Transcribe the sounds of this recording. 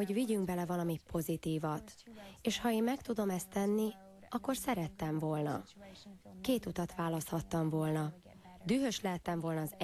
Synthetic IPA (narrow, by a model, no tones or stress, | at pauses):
o̞ɟviɟyŋɡ̚bɛlɛvɒlɒmipʰo̞zit̪iːvɒt̪eːʃhɒeːmmɛkt̪ud̪o̞mɛst̪ːɛnːi | ɒkːo̞rsɛɾɛt̪ːɛɱvo̞lnɒ̰ | keːt̪ut̪ɒt̪ʋaːlɒst̪hɒt̪ːɒɱvo̞lnɒ | d̪yːɦøʃlɛɦɛt̪ːɛɱvo̞lnɒːz